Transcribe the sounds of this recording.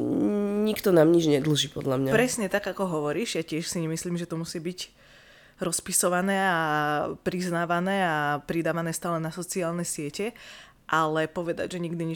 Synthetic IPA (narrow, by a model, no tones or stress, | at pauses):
ɲikt̪ɔnaːmɲid͡ʒɲɛd̪l̩ʒiːpɔd̪lamɲapɾɛsɲɛt̪aɡakɔɦɔʋɔɾiːʒjacɪɛʃsiɲɛmisliːmʒɛt̪ɔmusiːbiɟ | ɾɔspisɔʋanɛːapɾiznaːʋanɛːapɾid̪aːʋanɛːst̪aːlɛnasɔt͡siaːlnɛsɪɛcɛ | ʔalɛpɔʋɛd̪a̰ɟʒɛɲiɡd̪iɲi